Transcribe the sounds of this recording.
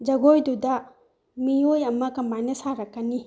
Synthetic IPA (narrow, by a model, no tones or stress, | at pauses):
d͡ʒɐɡojdudɐ | miojɐmɐkɐmbajnɐsaɾɐkːɐni